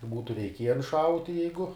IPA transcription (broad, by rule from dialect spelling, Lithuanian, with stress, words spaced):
ˈbuːtʊ rʲɛɪˈkʲiɛjɛn ˈʃɐʊtʲɪ ˈjɛɪɡʊ